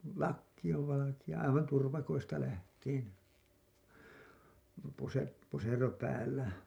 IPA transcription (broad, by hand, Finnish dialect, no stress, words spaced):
lɑkːi oʋ ʋɑlɑkij̆ɑ ɑiʋɑn turʋɑkoistɑ læhtˑiːn puse pusero pæːlːæ